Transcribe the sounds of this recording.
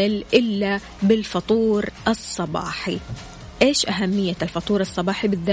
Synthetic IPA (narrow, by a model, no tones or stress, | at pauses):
ɪlʔɪlːa | bɪlfɑt̪ˤuːɾʔɑsˤːɑbɑ̰ːħi | ʔeːʃʔaɦamːɪjːalfɑt̪ˤuːɾɨsˤːɑbɑːħibɪðːa